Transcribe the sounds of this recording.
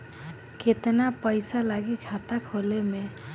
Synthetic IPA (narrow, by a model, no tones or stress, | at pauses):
kʰet̪napəjsalaɡikʰat̪akʰoleme